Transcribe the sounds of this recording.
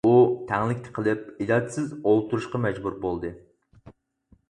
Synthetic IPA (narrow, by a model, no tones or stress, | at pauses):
ut̪ʰɛŋlˠɪkʲt̪ʰɪ̥qʰəlˠɨp̚ilɑd̪ɨsɪzolˠt̪uɾuʃqɑmɛd͡ʒbuɾbolˠd̪ɨ